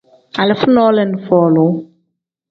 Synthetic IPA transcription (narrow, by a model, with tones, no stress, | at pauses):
a˨lɛ˨fu˦nɔ˦lɛ˨n˨fɔː˨lo˨